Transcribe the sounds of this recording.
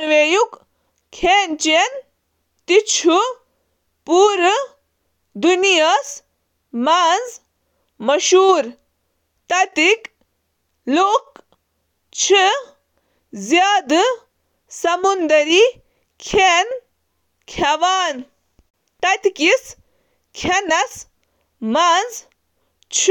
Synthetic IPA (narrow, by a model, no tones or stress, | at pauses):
ɾʋejuk | kʰeːnt͡ʃen | t̪it͡ʃʰu | puːɾ | d̪unijɐs | maːnz | mɐʃuːɾ | t̪ɐt̪ik | loːk | t͡ʃʰɨ | zjaːd̪ɨ | sɐmund̪ɐɾiː | kʰen | kʰɐʋaːn | t̪ɐt̪ikis | kʰɐnɐs | maːnz | t͡ʃʰ